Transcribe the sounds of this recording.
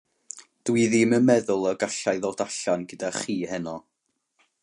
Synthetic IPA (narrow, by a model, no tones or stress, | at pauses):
d̥wiðiməmɛðʊlˠɔɡaɬajðoːdaɬanɡədaχiːhɛnɔ